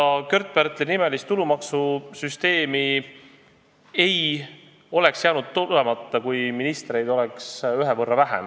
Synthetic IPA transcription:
ɑkø̞rt̪̚ˑbært̪ːˑlenime̞list̪t̪ːulumɑksusyst̪e̞ːmi | e̞j | o̞le̞ksjæːnud̪̥̚t̪ːulemɑt̪ːˑɑkujminist̪ɾe̞jd̪̥o̞leksyɦevɤrːɑvæɦḛm

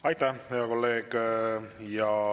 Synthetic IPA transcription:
ɑjt̪ːˑæhhejɑko̞lːe̞ːɡ̥ | jɑ

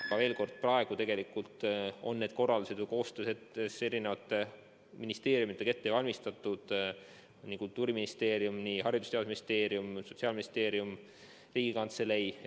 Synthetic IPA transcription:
ɑɡ̥ɑve̞ːlko̞rd̪̥̚prɑe̞ɡ̥ut̪e̞ɡ̥elikult̪o̞̰nːe̞d̪̥ko̞rːɑld̪use̞d̪vɨjko̞ːst̪øːset̪ːese̞ɾine̞vɑt̪ːˑe | minist̪e̞ːɾjumit̪ːˑeke̞t̪ːevɑlʲmist̪ɑt̪ːˑud̪̥ | nikult̪ːˑuːɾiminist̪e̞ːɾijumniɦɑɾid̪u̥st̪ed̪usminist̪e̞ːɾjumso̞̥t̪siɑːlminist̪e̞ːɾjum | riːɡ̥ikɑnt̪sele̞j

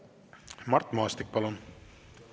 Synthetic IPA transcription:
mɑrt̪ːˑmɑːst̪ik̚pɑlun

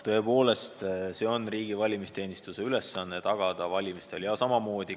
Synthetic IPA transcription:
t̪ɤ̞epo̞ːle̞st̪se̞ːo̞nriːɡ̥ivɑlʲimist̪e̞ːnist̪use̞yle̞sːɑnːet̪ɑɡ̥ɑd̪̥ɑvɑlʲimist̪e̞ljɑsɑmɑmo̞ːd̪̥i

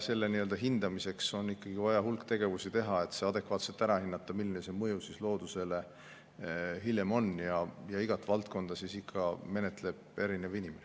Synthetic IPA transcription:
se̞lːeniøld̪ɑɦind̪̥ɑmise̞kso̞nːikːɑɡ̥ivɑjɑɦulkt̪e̞ɡ̥e̞vusit̪e̞ɦɑe̞t̪se̞ɑd̪e̞kvɑːt̪selt̪æɾɑhinːɑt̪ːˑɑ̥milːinese̞mɤjusislo̞ːd̪̥use̞le̞ | ɦilʲjemo̞njɑjɑiɡ̥ɑt̪ːvɑlt̪̚ko̞nd̪̥ɑsisikʰːɑme̞net̪ˑle̞b̥̚e̞ɾinevinimen

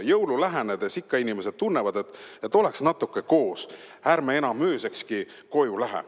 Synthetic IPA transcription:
jɤwlulæɦened̪̥esikːɑinimese̞d̪̥̚t̪unːevɑd̪e̞t̪ːˑet̪ːˑo̞leksnɑt̪ːˑukːˑe̞ko̞ːs | æɾmee̞nɑmːøːse̞kski | ko̞julæɦḛ

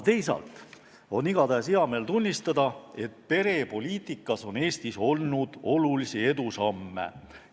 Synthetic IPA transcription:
t̪e̞jsɑ̰lt̪ˑ | o̞niɡ̥ɑd̪æːsiɑme̞lt̪unʲːist̪ɑd̪̥ɑe̞t̪pe̞ɾe̞po̞lʲiːt̪ˑikːˑɑso̞ne̞ːst̪iso̞lnud̪̥o̞lulisie̞d̪̥usɑmːe̞̰

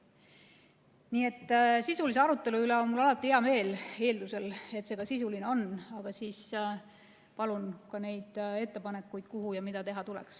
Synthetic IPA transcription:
niːe̞t̪ːsisulis̬e̞ɑɾut̪ːˑe̞luyleonmulːɑlɑt̪ːˑiheɑme̞ːle̞ːld̪use̞le̞t̪se̞ɡ̥ɑsisulineo̞nːɑɡ̥ɑsiːs | pɑlunkɑne̞jd̪̥e̞t̪ːe̞pɑne̞kːˑujd̪̥kuɦujɑmid̪̥ɑt̪e̞ɦɑt̪ulḛks

